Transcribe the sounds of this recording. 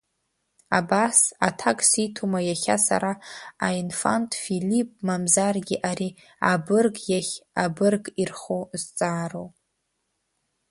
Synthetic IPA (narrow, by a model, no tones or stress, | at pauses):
abasa̰tʰakʼsitʰumajaχʲasa̰ɾaːinfantʼfilipʼmamzarɡʲiʔaɾi | abɨrɡjaχʲabɨrɡirχozt͡sʼaːrow